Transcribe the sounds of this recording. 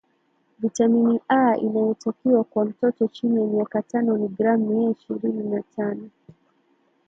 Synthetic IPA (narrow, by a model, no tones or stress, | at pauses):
vitaminiʔaʔḭnajɔtakiakwam̩tɔtɔt͡ʃinijamiakatanɔniɡɾamːiɛiʃiɾininatʰanɔ